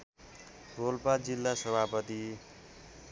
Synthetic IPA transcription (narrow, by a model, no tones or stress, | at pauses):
bolpad͡zilːasʌbʱapʌt̪i